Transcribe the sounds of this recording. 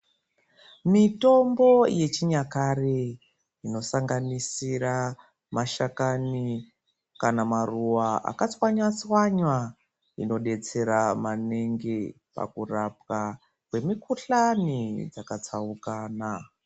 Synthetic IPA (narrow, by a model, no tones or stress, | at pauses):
mito̞mbo̞je̞t͡ʃiɲakare | ino̞saŋɡanisiɾa | maʃakani | kanamaruwaʔa̰kat͡swaɲwat͡swaɲwa | ḭno̞ɗe̞t͡se̞ɾamane̞ŋɡe | pa̰kurap̚ka | kwe̞mikuɬanid͡zakat͡saukaːna